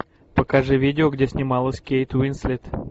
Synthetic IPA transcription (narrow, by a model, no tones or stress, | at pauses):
pəkaʐɨvʲidʲɪoɡdʲesʲnʲɪmɑlˠəsʲkʲejt̪winsʲlʲit̪